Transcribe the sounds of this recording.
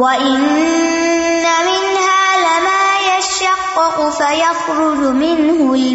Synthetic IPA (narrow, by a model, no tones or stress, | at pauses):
waʔɪnː | amɪnhaːlɪmaːjaʃɑqːɪqʊfajɑxɾʊd͡ʒʊmɪnhʊl